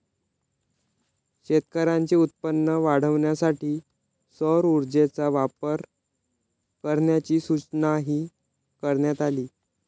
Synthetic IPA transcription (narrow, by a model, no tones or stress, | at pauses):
ɕet̪kəɾãɲt͡ɕiːut̪̚pənːəʋaɽ̤əʋɳjasaʈiː | sɔɾuɾd͡ʑet͡saʋapəɾ | kəɾɳjat͡ɕiːsut͡snaɦiː | kəɾɳjat̪aliː